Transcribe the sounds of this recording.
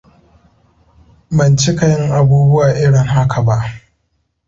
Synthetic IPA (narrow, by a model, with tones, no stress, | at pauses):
bɐ˨nt͡ʃɪ˦ka˨jɪ˦ŋʔa˨buː˦bʊ˦waː˨ʔɪ˦ɽɪ˨ŋɦa˦kʰa˨ba˦ʔ